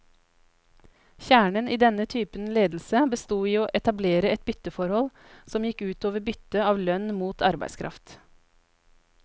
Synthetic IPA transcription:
çæːɳənʔiːd̪ɛnət̪ʰyːpənleːd̪l̩səbəst̪uːiːoːʔɛt̪ɑbleːɾəɛt̪̚bʏt̪əfɔɾhɔl | sɔmjɪkʉːt̪oːʋəbʏt̪əɑːʋlœnmuːt̪ʰɑɾbæ̰ɪskʰɾɑ̰ft̪

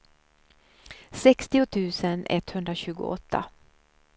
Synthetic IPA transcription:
sɛkst̪ɪʊt̪ʰʉ̟ːsənɛ̰t̪hɵnd̪ɾaɕʉ̟ːɡʊ̰ɔt̪ʰːa̰

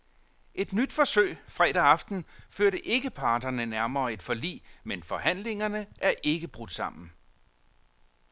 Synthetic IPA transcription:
ʔe̝d̥nyd̥fɒ̽søɪ̰fʁɛd̥æɑ̈fd̥n̩føɐɾəʔe̝ɡ̥əpʰɑ̈ːd̥ɐnənæɐmɐːe̝d̥fɒ̽lḭːmenfɒ̽hæn̰le̝ŋɐnəʔæɐʔe̝ɡ̥əb̥ʁud̥sɑ̈m̰n̩

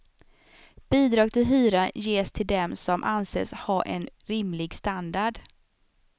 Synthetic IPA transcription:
b̥iːd̪ɾɑːɡ̚t̪ʰɪlɦyːɾajeːst̪ʰɪld̪ɛmsɔmʔansḛːshɑʔɛ̰nɾɪmlɪɡst̪and̪aɖ

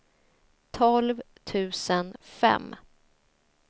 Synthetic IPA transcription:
t̪ʰɔlv | t̪ʰʉ̟ːsənfɛ̰mː

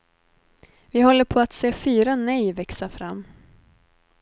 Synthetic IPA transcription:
vɪhɔlːəɾpʰɔat̪seːfyːɾanɛjvɛksafɾamː

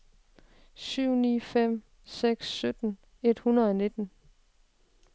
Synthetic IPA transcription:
syʊ̰nḭːfem̰ | seɡ̥sːød̥n̩ | e̝d̥hunɐðˠɒne̝d̥n̩

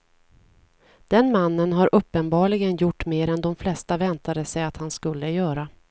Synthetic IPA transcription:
d̪̥ɛnmanːənɦaɾʔɵpːənbɑːɭɪɡənjʊʈːmeːɾɛnd̪ɔmflɛst̪avɛnt̪ad̪əsɛjat̪hanskɵlːəjœːɾa

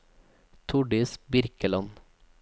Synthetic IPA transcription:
t̪ʰʊɖɪsbɪɾkəlɑn

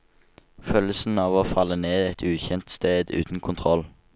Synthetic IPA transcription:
fœləsn̩ɑːʋoːfɑlːəneːd̪ɛt̪ʰʉːçɛnt̪st̪eːd̪ʉ̰ːt̪n̩kʰʊnt̪ʰʁɔl

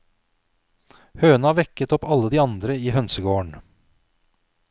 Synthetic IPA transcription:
høːnɑʋɛkət̪ɔpɑləd̪iːɑnd̪ɾəiːhœnsəɡoːəɳ

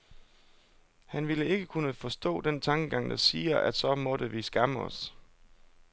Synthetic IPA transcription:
hænʋiləe̝ɡ̥əkʰunəfɒ̽sd̥ɔ̰̽ːd̥ent͡sʰɑ̈ŋɡ̥əɡ̥ɑ̈ŋ̰d̥ɑ̈siːɐʔæd̥sɒ̽mɒ̽dəʋisɡ̥ɑ̈məɒ̽s

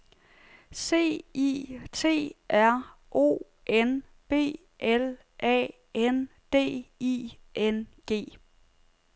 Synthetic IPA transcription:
se̝̰ːḭːt͡sʰe̝̰ːʔæɐ̰ | ʔo̝̰ː | ʔen | b̥e̝̰ː | ʔel | ʔɛ̰ | en | d̥e̝̰ːiʔenɡ̥e̝̰ː

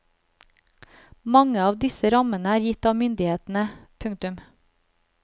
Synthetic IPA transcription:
mɑŋəɑːʋd̪ɪsəɾɑmənəæːɾjɪt̪ɑːʋmʏnd̪ɪheːt̪n̩əpʰʉŋt̪ʉm

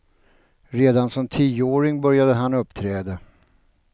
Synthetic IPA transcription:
ɾeːd̪ansɔmt̪ʰiːəoːɾɪŋbœɾjad̪əɦanɵpːt̪ʰɾɛːd̪a

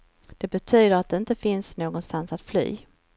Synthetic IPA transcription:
d̪̥ɛbɛt̪ʰyːd̪əɾat̪̚d̪ɛɪnt̪əfɪnsnoːɡɔnst̪ansat̪fly̰ː

